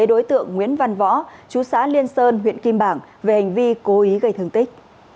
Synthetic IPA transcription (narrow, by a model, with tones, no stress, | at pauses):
e˨˦ɗo˨˦jt̪ɨ̰˧˨əŋːwḭ˧˥ənva˧nvɔ̰˧˥t͡ɕu˨˦sa̰ː˧˥li˧ənsəː˧nɦwḭ˧˨ənki˧mɓaː˧˩ŋve˨˩ha˨˩jŋ̟vi˧ko˨˦ʔi˨˦ɣə˧jt̪ʰɨ˨˩əŋt̪ï˦˥k̚